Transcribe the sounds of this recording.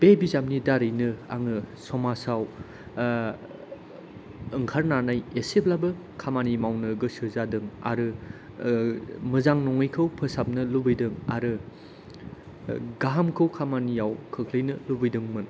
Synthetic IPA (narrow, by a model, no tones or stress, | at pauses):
bebizamnidaɾɯjnɯa̰ŋɯsɔmasaw | ɯŋkʰaɾnanajeseplabɯ | kʰamanimawnɯɡɯsɯzadɯŋa̰ɾɯ | mɯzaŋnɔŋɯjkʰɯwpʰɯsap̚nɯlubɯjdɯŋaɾɯ | ɡaɦamkʰɯwkʰamanijawkʰɯkʰlɯjnɯlubɯjdɯŋmɯn